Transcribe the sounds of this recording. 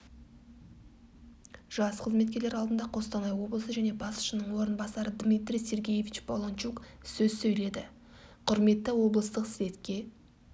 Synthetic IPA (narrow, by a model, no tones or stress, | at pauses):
ʒ̥ɑsqʰəzme̞t̪̚kʲe̞ɾle̞ɾɑlˠd̪ənd̪ɑqʰo̞st̪ɑnɑjwo̞blˠəsəʒæne̞bɑsʊ̥ʃənəɴwo̞ɾənbɑsɑɾəd̪mijt̪ɾijse̞ɾɡʲejevʲit͡ʃbolˠont͡ʃuk | sɵzsɵjle̞d̪ɪ | qʰʊɾme̞t̪ːɪwo̞blˠəst̪əqsɪve̞t̪kʲe̞